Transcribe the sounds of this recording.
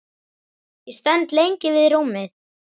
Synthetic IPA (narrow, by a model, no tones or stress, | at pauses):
jɛst̪ɛnt̪lejɲcɪvɪðɾuːmɪθ